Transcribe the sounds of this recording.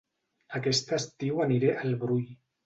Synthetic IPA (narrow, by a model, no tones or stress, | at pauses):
akɛst̪əst̪iwaniɾeʔalβɾuj